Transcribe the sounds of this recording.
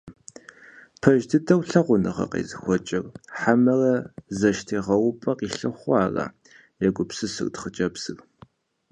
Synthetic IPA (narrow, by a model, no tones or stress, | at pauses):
pʰɐʒdɨdɐwɬɐʁʷʊnɨʁɐ̰qḛːzɨxʷɔt͡ʃʼɪrħamɐrɐzɐʃtʰiːʁɐwʊpʼɐqiːɬɨχʷɑːrɐ̰ | jɛkʷʼʊpsɨsɨ̰rdχət͡ʃʼɐpsɨr